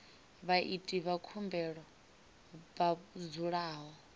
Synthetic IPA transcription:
βaʔitʼiβakʰumbɛɺɔ | βad͡zuɺaːɦɔ

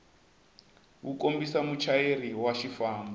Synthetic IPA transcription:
wukombisamut͡ʃʰaeɾiwaʃifaːmbɔ

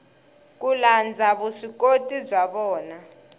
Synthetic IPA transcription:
k̬uland͡zʱaβuʂikotʼizʷaɓɔːna

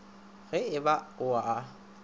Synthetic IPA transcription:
ɣɛɪbaʊaː

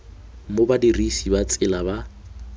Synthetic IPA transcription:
mobadirisibat͡sʼɪlaba

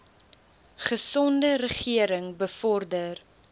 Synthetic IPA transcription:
χəsɔndərəχiəɾəŋbəfɔrdər

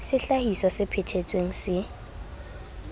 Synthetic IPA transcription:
sɪɬahiswasɪpʰɪtʰet͡sʼweŋ̩sɪ

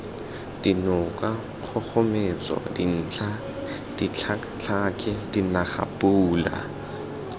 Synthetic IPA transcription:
d̥inʊkʼa | q͡χʰɔk͡xɔmet͡sɔ̰din̩ːt͡ɬʰa | d̥it͡ɬʰakt͡ɬʰakʼɪdinaχa̰puːla̰

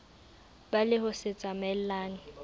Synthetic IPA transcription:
balɪhʊsɪt͡sʼamɛl̩laːnɪ

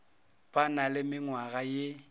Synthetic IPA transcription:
pʼanalɪmɪŋwaɣaje

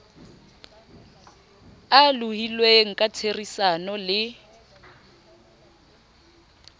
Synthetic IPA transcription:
aluhilweŋ̩kʼat͡sʰerisanɔlɪ

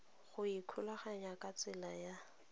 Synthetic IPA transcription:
χʊikʰulaχaɲakʼat͡sʼɪlaja

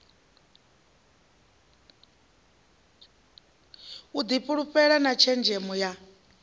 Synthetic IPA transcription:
ud̪ipʼuɺuɸʼɛɺanat͡ʃʰɛnd͡ʒɛmɔja

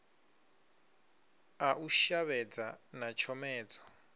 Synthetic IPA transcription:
aʔuʃaβɛd͡za | nat͡ʃʰɔmɛːd͡zɔ

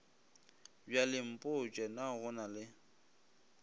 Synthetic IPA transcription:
bjalɪm̩pʼʊt͡ʃʼɛnaɣʊnalɪ

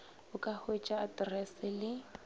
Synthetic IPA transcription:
ʊkʼahwet͡ʃʼaːdrɛsɪlɪ

